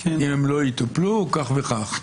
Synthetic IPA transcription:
imemloit̪aplukaχveχaχ

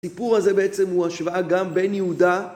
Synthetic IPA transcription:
sipuʁhaze̞beet͡se̞mhuaʃvaaɡambe̞njehud̪a

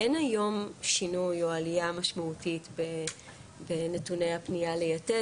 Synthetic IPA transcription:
enajo̞mʃinujo̞alijamaʃmautitbe | benetunejhapnijalejate

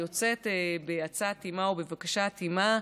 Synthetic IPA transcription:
jo̞t͡se̞tebeat͡satimaobevakaʃatima

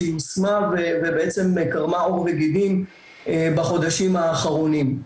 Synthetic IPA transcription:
iosmavevebeet͡se̞mkaʁmaoʁveɡid̪im | ebaχo̞d̪aʃimaːχaʁonim

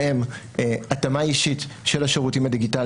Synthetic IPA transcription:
em | atamaiʃitʃe̞laʃeʁutimadiɡital

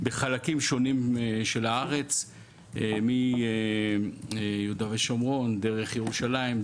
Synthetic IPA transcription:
beχalakimʃo̞nimʃe̞laaʁe̞t͡s | emi | judaveʃamʁo̞nd̪e̞ʁeχjeʁuʃalaim

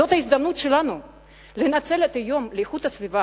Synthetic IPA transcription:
ot̪ɐizd̪amnut̪ʃelanu | lenat̪selɛt̪ɐjomlejxut̪ɐsvʲiva

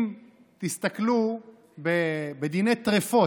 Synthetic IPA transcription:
m | t̪ist̪aklu | bebed̪inejt̪ʁefo

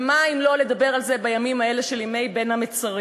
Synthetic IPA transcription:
maimlo̞le̞d̪abeʁalze̞bajamimhae̞le̞ʃelime̞jbe̞nhamet͡saʁ

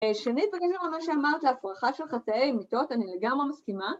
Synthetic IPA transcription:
ʃeaniit̚baɡeʃumamaʃeamaʁt̪leafʁaχaʃelχataejmito̞tanileɡamʁemaskima

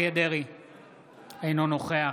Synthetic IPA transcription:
ed̪eʁi | ejnonoχea

